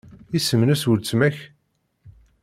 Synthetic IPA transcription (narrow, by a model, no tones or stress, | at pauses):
isəmnæsuɾt͡sːmæç